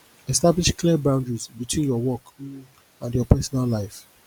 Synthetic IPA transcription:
ɛstabliʃkliəbãʊ̃ndɹizbitwĩnjɔwɔk | ãndjɔpɛsɔnalːaɪf

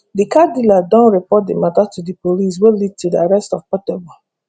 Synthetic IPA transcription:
dikadiladɔ̃nɹipɔt̚dimatatudipolis̬welid̚tʰudiaɹɛstɔvpɔtɛbɔ

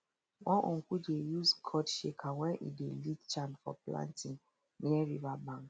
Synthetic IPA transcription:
wɔ̃nʔɔ̃ŋkud͡ʒejuskʰɔtʃekʰawɛ̃nʔḭdelitt͡ʃãnfɔ̰plã̰ntĩŋ | niɛɹivabãŋk

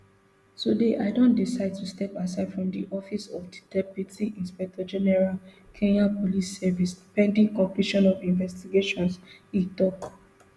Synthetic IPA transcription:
tudeʔaɪdõndisaɪd̚tustɛpas̬aɪdfɹɔ̃mdiʔɔfisɔfdidɛbitiĩnspɛk̚tʰɔd͡ʒɛnɛɹal | kʰẽnapɔlisːɛvisipɛ̃ndĩŋkɔ̃mpliʃɔ̃nɔvĩnvɛstiɡeʃɔ̃nsitɔk

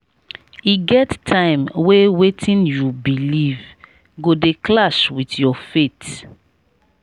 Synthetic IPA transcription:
iɡɛttʰãɪ̃mwewetʰĩnjubiliv | ɡodeklaswitjɔfet

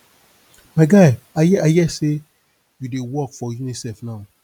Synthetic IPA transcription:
maɪɡaɪ | ajɛajɛse | judewɔkfɔjunisɛfnaʊ

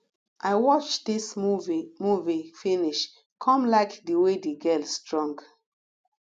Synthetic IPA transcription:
ʔaɪwɔt͡ʃdismuvimuvifĩniʃ | kʰɔ̃mlaɪkdiwediɡɛlsːtɹɔ̃ŋɡ

